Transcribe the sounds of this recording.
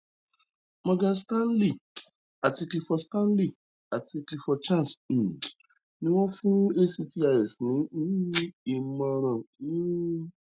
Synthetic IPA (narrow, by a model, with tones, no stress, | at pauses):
mɔ̃˧ɡã˧stã˦n˦li˦˨ | a˨ti˧kli˧fɔ˧stã˦n˦li˦˨ | a˨ti˧kli˧fɔ˧t͡ʃã˦˨s̩˨ | nĩ˦w̃ɔ̃˦fũ˦e˦si˧ti˧a˧jɛ˨snĩ˨˦i˦i˧˦mã˧ɾ̃ã˨i˦